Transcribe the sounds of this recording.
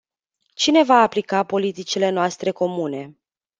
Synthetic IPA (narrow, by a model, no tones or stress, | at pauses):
t͡ʃine̞vaːplikapo̞lit̪it͡ʃile̞noast̪ɾe̞ko̞mune̞